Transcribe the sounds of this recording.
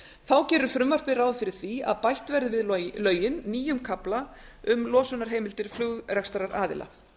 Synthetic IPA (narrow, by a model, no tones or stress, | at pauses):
θawcɛːɾʏɾ̥fɾʏmvar̥pɪrawðfɪɾɪɾ̥θvia̰ðpajht̪vɛɾðɪvɪðlœːɥjɪnːiːjʏmkʰaplaʏmlɔːsʏnaɾ̥ɦeːjmɪlt̪ɪɾ̥flʏɣrɛkst̪aɾaɾʔaːðɪ̰lʔa̰